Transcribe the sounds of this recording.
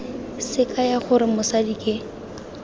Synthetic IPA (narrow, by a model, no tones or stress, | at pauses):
sɪkʼajaχʊɾɪmʊsadikʼɪ